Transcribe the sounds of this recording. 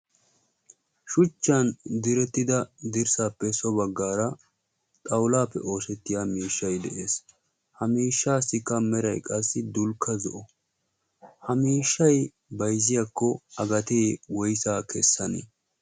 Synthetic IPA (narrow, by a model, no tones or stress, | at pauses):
ʃʊt͡ʃːɐnd̪ɪɾɛt̪ːɪd̪ɐd̪ɪɾsaːpːɛsɔbɐɡːaːɾɐ | t̪ʼɐwlaːpːɛ̰ʔo̞ːsɛt̪ːɪjamiːʃːɐjd̪ɛʔeːs | hɐmiːʃːaːsɪkːɐmɛɾɐjkʼɐsːɪd̪ʊlkʰːɐzɔʔɔ | hɐmiːʃːɐj | bɐjzɪjɐkːɔɐɡɐt̪eːwɔjsaːkʰɛsːɐnḛ